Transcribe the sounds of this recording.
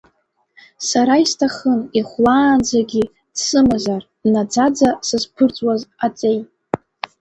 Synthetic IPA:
saɾaistʰaχəniχʷlaːnd͡zaɡʲi | sɨmɨzar | nad͡zad͡zasɨzpʰɨrt͡sʼwazat͡sʼejt

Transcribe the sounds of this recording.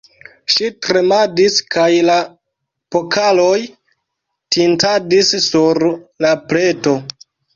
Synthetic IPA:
ʃitɾe̞madiskajla | po̞kʰalo̞j | tintadisːuɾlaple̞to̞

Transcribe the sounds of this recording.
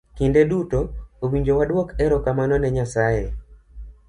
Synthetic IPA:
kindɛɗutɔowiɲd͡ʒowaɗwɔkɛɾɔkamanɔnɛɲasae

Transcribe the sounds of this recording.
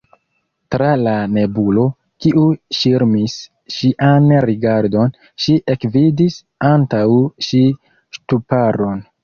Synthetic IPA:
tɾalane̞bulo̞ | kiʔuʃiɾmis | ʃiʔanɾiɡaɾdo̞n | ʃiʔe̞kvidis | antawʃi | ʃtupaɾo̞n

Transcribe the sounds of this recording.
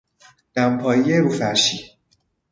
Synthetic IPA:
d̪̥æmpʰɒːjijeɾufæɾʃi

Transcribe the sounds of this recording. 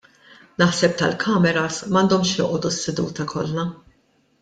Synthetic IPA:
nɐħsɛp̚t̪ɐlkʰɐmɛɾɐsmɐnd̪ɔmʃjɔ̰ːʔɔd̪usːɛd̪ṵːt̪ɐkʰɔ̰lːɐ

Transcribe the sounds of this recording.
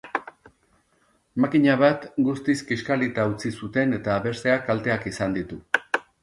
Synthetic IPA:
makiɲaβ̞at̪ɡust̪iskiskalit̪aut͡sisut̪e̞ne̞t̪aːβe̞se̞akalt̪e̞akisand̪it̪u

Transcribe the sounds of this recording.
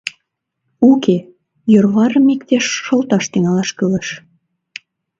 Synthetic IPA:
ukʰe | jørβɑɾə̆mik̚t̪eʃːɤ̆lt̪ɑʃt̪iŋɑlɑʃkələ̆ʃ

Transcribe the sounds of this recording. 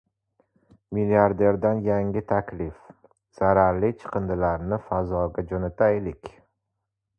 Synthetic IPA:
miliaɾd̪e̞ɾd̪anjaŋʲɪt̪ʰakʲlɪf | z̥aɾaɾlit͡ʃʰɨ̥qʰɨnd̪ɪlaɾnɪfazɒɡʲad͡ʒonat̪ʰajlɪkʲ

